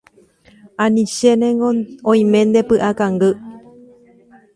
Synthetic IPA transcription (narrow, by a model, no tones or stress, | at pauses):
ãnĩʃenẽŋɡoõĩmẽ̞nd̪e̞pɨʔakãŋɡɨ